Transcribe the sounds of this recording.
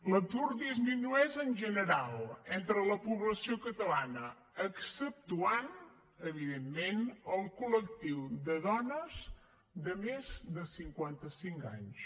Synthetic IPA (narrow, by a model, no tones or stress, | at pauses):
lət̪urd̪izminuɛzənʲʒənəɾalˠɛnt̪ɾələpuβləsiokət̪əlanə | əksəp̚t̪uan | əβiðemːenəlˠkulək̚t̪iwd̪əðɔnəz | d̪əmezd̪əsiŋkwant̪əsiŋka̰ɲs